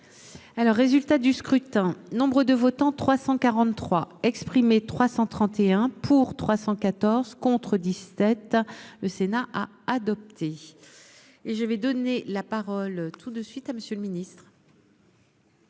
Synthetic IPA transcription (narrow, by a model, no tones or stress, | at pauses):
alɔʁːezylt̪ad̪yskχyt̪ɛ̃nɔ̃bʁəd̪əvɔt̪ɑ̃t̪χwasɑ̃kaʁɑ̃t̪ːχwaɛkspχimet̪χwasɑ̃t̪χɑ̃t̪eɛ̃pʰuʁt̪χwasɑ̃kat̪ɔʁzkɔ̃t̪χəd̪isɛt̪ləsenaʔaː | d̪ɔp̚t̪ʰe | eʒəvɛd̪ɔnelapaʁɔlt̪ud̪əsɥit̪aməsjələminist̪χ